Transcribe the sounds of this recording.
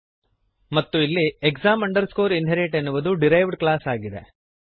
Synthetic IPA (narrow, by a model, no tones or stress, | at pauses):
mɐt̪ːuilːiekzaːmɐɳɖɐɾskoːɾinɦeɾeːʈenːuʋɐd̪uɖiɾɐjʋɖklaːsaːɡid̪ḛ